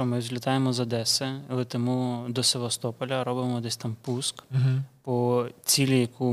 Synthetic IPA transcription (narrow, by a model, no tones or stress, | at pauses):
ɔmɪzʲlʲɐt̪ɑjemɔzɐd̪ɛsɛɐlˠɛt̪ɛmud̪ɔseʋɐst̪ɔpɔlʲɐɾɔbɪmɔd̪ɛsʲt̪ɑmpuskɦpɔt͡sʲilʲijɐku